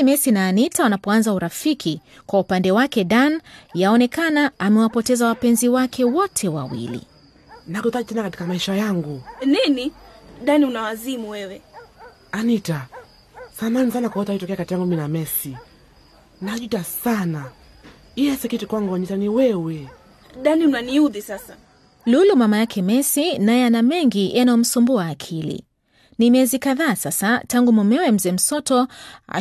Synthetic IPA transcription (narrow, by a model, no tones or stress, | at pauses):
imɛsinaːnitawanapɔanzauɾafikʰi | kwaupandɛwakɛɗanjaɔnɛkanaːmɛwapɔtɛzawapɛnziwakʰɛwɔtʰɛwa̰wḭlḭ | nakutaʄitɛnakati̥kamaiʃajaŋɡuniniɗanunawazimuwɛwɛ | anita | samanisanakawɔtaitɔkɛakatiaŋɡuminamɛsi | naʄutasana | ijɛsɛkitikwaŋɡuaɲitaniwɛwɛ | ɗaniunaniuðisasa | lulumamajakʰɛmɛsinajɛanamɛŋɡiʔanajɔm̩sumbuaːkʰilḭ | nimiɛzikaðaːsasataŋɡumɔmɛwɛm̩zɛm̩sɔtɔa̰